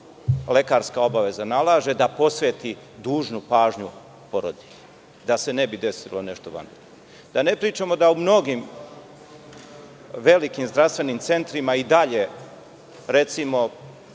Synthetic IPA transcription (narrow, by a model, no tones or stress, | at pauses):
le̞kaːɾskao̞baʋe̞zanalaːʒe̞d̪apo̞sʋeːt̪i | d̪uːʒnupaːʒɲu | po̞ɾod̪iʎe | d̪ase̞ne̞bid̪e̞silone̞ʃt̪oʋa̰nd̪ɾooo | d̪ane̞pɾiːt͡ʃamo̞d̪aumno̞ɡim | ʋe̞likimzd̪ɾast̪ʋe̞nimt̪se̞nt̪ɾimaid̪aʎe̞ | ɾe̞t̪simo̞